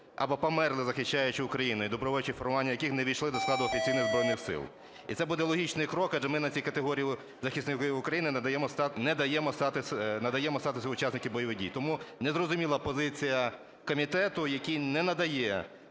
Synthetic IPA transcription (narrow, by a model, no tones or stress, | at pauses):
ɐ̰bɔpɔmɛrlˠɪzɐxɪʃt͡ʃːajʊt͡ʃɪʊkɾɐjinʊid̪ɔbɾɔʋɔjʊt͡ʃifɔrmʊʋanʲːɐjɐkɪxnɛʋʲiʃlˠɪd̪ɔsklˠɑd̪ʊɔfʲit͡sʲijnɪɣzbɾɔjnɪxsɪ̰lˠ | ḭt̪sɛbud̪ɛlˠɔɦʲit͡ʃnɪjkɾɔkɐʒɛmɪnɐt͡sʲijkɐt̪eɦɔɾʲiji | zɐxʲisnɪkʊkɾɐjinɪd̪ɐjɛmɔst̪nɛd̪ɐjɛmɔst̪ɑt̪ɪsnɐd̪ɐjɛmɔst̪ɑt̪ɪsʲɐʊt͡ʃasnɪkʲibɔjɔʋɪdʲḭjt̪ɔmunɛzrɔzʊmʲilˠɐpɔzɪt͡sʲijɐ | kɔmʲit̪ɛt̪ʊjɐkʲinɛnɐd̪ɐjɛ